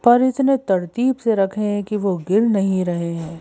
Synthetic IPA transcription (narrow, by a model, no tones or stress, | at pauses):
pɐɾɪt̪net̪ɐɾt̪iːbseɾɐkʰẽɦɛ̃kiʋoɡɪɾnɐɦĩɾɐɦeɦɛ̃ː